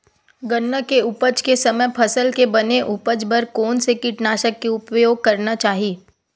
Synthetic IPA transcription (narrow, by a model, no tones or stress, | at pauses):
ɡənːəkeʊpəd͡ʒkesɐməjpʰɐsəlkebɐneʔʊpəd͡ʒbɐɾkɔːnsekiʈnaːʃəkːeʊpjoːɡ̚kɐɾnat͡ʃaːɦiː